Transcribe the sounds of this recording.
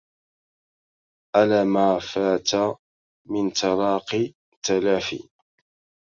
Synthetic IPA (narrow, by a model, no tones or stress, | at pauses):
ʔalaːmaːfaːt̪a | mɪnt̪ɑɾˤɑːqɪ | t̪alaːfḭ